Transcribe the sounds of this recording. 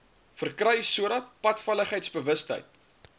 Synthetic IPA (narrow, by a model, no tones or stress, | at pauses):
fərkrɛjsuəɾɐtpɐtfələχəjtsbəvəstə̰jt̚